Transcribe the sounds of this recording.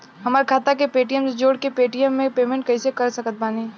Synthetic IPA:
ɦɐmaːɾkʰaːt̪akepeːʈijəmsd͡ʒoːɽkepeːʈijəmːẽpeːmẽɳʈ̚kɐisekəɾsəkət̪̚baːni

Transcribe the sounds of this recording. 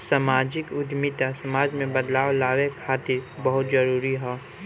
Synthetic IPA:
samaːd͡ʒɪkʊd̪mɪt̪asɐmaːd͡ʒmẽbəd̪laːwlaːʋekʰaːt̪ɪɾbɐɦʊt̪zɐɾuːɾiɦɛː

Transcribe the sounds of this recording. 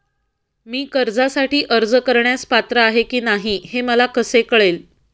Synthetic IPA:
miːkəɾd͡zasaʈiːʔəɾd͡zkəɾɳjaspat̪ɾəaɦekiːnaɦiheməlakəsekəɭel

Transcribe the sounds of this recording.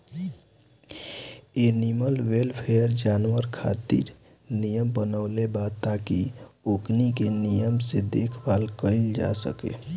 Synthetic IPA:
eniməlwelpʰejəɾd͡ʒanwəɾkʰa̰t̪ḭɾ | nijəmbənəʊlebad̪t̪akioknikenijəmsed̪ekʰbalkəɪld͡ʒa̰sə̰kḛ

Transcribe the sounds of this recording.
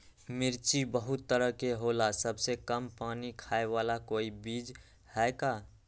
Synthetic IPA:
mɪɾt͡ʃibəɦʊt̪ːəɾəɦkeɦoːlasəbsekəmpaːnikʰaːewaːlakoːibiːd͡ʒ | hɛːkaː

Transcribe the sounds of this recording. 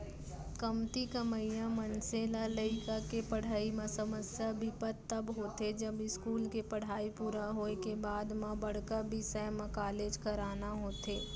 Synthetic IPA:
kɐmt̪ikɐməijãmənsẽlaləɪkakepɐɽ̤aːimãsɐməsjabʱipət̪ːɐbɦoːt̪ed͡ʒɐbɪskuːlkepɐɽ̤aːipuɾaɦoekebaːd̪mãbɐɽ̤kabʱisɛmɐkaːleːd͡ʒkɐɾaːnaɦoːt̪eː

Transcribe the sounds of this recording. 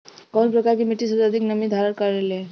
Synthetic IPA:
kənpɾəkaɾkemiʈːisəəd̪ʱiknəmid̪ʱaɾənkaɾele

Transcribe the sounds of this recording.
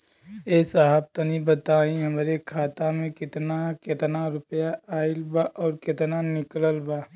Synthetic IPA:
eːsaɦəb̚t̪ɐnibət̪aːĩɦɐmɾekʰaːt̪amẽkɪt̪nakɪt̪naɾʊpjaʔaːɪlbaʔɔːɾkɪt̪nanɪkləlbaː

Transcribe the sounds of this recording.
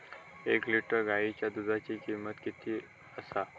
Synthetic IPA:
ekliʈəɾɡait͡ɕjad̪ud̪ʱat͡ɕikimət̪kit̪ʰiː | əsa

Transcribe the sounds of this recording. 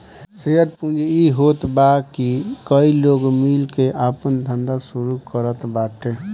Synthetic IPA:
seəɾ̚pũnd͡ʒiɦot̪bakikəiloɡmilkeʔapənd̪ʱənd̪asuɾukəɾət̪baʈe

